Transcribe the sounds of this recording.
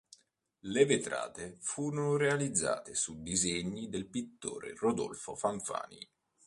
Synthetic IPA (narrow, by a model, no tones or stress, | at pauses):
levet̪ɾa̰ːt̪efuːɾonoɾealid̪zːa̰ːt̪esud̪izeɲːid̪elpit̪ːo̰ːɾḛrod̪ɔ̰lfofaɱfa̰ːnḭ